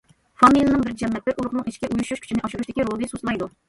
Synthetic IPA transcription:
fɑmilɨnɨŋbɪɾkʲd͡ʒɛmːɛt̪̚lɪɾʔuɾˠʊqnɨŋiʃkʲɛʔujuʃuʃkʲʰy̥t͡ʃʰɪnɪʔɑʃuɾuʃt̪ɪkʲiɾolˠd̪ɨsosmɑjd̪u

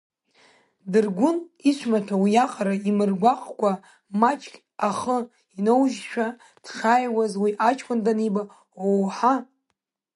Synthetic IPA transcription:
dɨrɡʷʊniʃʷʰmatʰawijaqʼaɾaimɨrɡʷaqʼkʷʼa | mat͡ʃʰʼkʲʼ | aχə | inowʒʃʷᶣa | d̥χajwazwiʔat͡ʃʰʼkʷʰʼandanejba | owħa

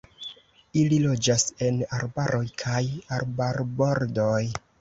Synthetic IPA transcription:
ililo̞d͡ʒase̞naɾbaɾʔo̞jkʰajaɾbaɾbo̞ɾdo̞j

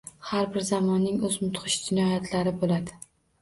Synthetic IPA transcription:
haɾbɪɾzamɒnːɪŋɵzmʊt̪χɨʃd͡ʒɪnɒjat̪ʰlaɾɪbolad̪ɪ

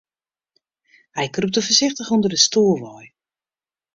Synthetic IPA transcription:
hɛjkrup̚təfəɹzɪxtəχundərdəstuːəlˠʋɔj

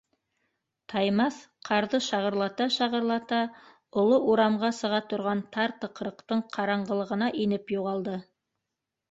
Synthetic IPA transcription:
t̪ʰɑjmɑsqʰɑɾðɤʃɑʁɤ̆ɾlˠɑt̪ɑʃɑʁɤ̆ɾlˠɑt̪ɑ | ŏlˠoʔuɾɑmʁɑsɤ̆ʁɑt̪ŏɾʁɑnt̪ʰɑɾt̪ɤ̆qɾɤ̆qt̪ɤɴqʰɑɾɑɴɢɤ̆lˠɤ̆ʁɤ̆nɑʔinɘpjuʁɑlˠd̪ɤ

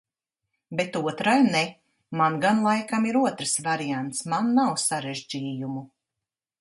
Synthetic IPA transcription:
bet̪uɔt̪ɾajne | manɡanlˠajkamiɾuɔt̪ɾsvaɾiant̪smanːawsaɾeʒd͡ʒiːjumu

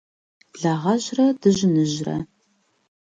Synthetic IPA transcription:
ɮɐʁɐʑrɐdɨʒɪnɨʑrɐ̰

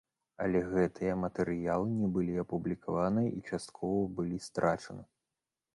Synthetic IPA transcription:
ɐ̰lʲɛɣɛt̪ʰɨjɐmɐt̪ɛɾɨjalˠɨnʲɛbɨlʲiɐpublʲikʰavanɨjɐʔit͡ʂast̪̚kʰɔvɐbɨlʲist̪ɾʔat͡ʂɐnɨ

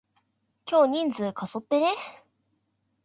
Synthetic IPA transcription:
kʲo̞ːɲ̟ĩnd͡zɨːkʰaso̞t̪ːe̞ne

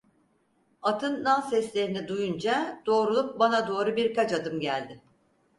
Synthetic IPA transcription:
at̪ʰɯnːasɛslʲe̞ɾinid̪ujund͡ʒad̪̥o̞ːɾulˠup̚banad̪o̞ːɾubiɾkat͡ʃad̪ɯmɟælʲd̪ɪ

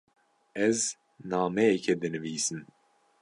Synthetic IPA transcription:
ɛz | naːmɛjɛkʰɛd̪ɨnɨviːsɨn

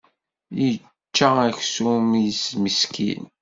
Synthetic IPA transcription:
jə | t͡ʃːææçsumisməskʰḭn

